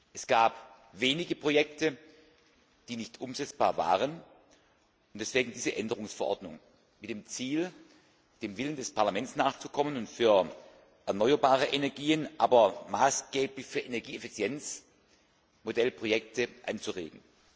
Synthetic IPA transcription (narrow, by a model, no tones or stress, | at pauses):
ʔɛsɡ̥aːp | veːnɪɡəpʁ̥ojɛktə | d̥iːnɪçtʔʊmzɛt͡sb̥aːɐva̰ːʁ̞ən | ʔʊntd̥ɛsv̥eːɡŋ̩diːzəʔɛndəʁʊŋsfɛɐʔɔ̰ɐdnʊŋ | mɪtd̥eːmt͡siːl | d̥eːmvɪləndɛspʰaɐlamɛntsnaːχt͡su̥kʰɔmənʊntfyːɐ | ʔɛɐnɔʏɐbaːʁ̞əʔenɛɐɡiːənʔaːbɐmaːsɡ̥eːplɪçfyːɐʔenɛɐɡiːefit͡sjɛnt͡s | modɛlpʁ̥ojɛk̚təʔa̰nt͡suʁḛːɡŋ̩